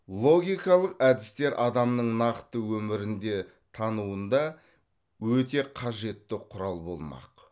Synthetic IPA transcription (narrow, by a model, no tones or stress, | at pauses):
lˠo̞ɡʲijkɑlˠəqæd̪ɪst̪e̞ɾʔɑd̪ɑmnəɴnɑqt̪əwɵmɪɾɪnd̪e̞ | t̪ʰɑnuənd̪ɑ | wɵt̪e̞qʰɑʒe̞t̪ːɪqʰʊɾɑlˠbo̞̰lˠmɑ̰q